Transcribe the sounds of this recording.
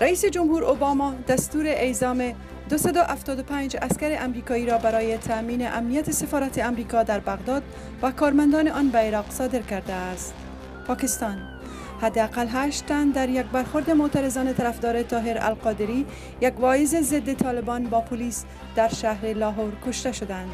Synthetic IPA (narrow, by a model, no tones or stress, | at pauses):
ɾaiːsed͡ʒʊmhuːɾobɑmɒd̪ast̪uːɾeʔezɒːme | d̪ʊsad̪ʊʔaft̪ɒd̪ʊpaɲd͡ʒaskaɾeʔamɾikɒiːɾɒbaɾɒːjet̪ʰamiːneʔamnijat̪esefɒɾat̪ʰeamɾikɒd̪aɾbaɣd̪ɒd̪̚ | vakɒɾmand̪ɒːneʔɒnbaeɾɒqsɒd̪ɪɾkaɾd̪aːst̪ | pɒːkɪst̪ɒn | had̪ːeaqalɦaʃt̪ːand̪aɾjak̚baɾxoɾd̪emot̪aɾɪzɒːnet̪ʰaɾafd̪ɒːɾet̪ɒːɦeɾa̰lqɒd̪ɪɾi | jakvɒjɪzezɪd̪ːet̪ʰɒːlɪbɒnbɒpʰʊlis | d̪aɾʃaɦɾelɒɦoɾkoʃt̪aʃʊd̪and̪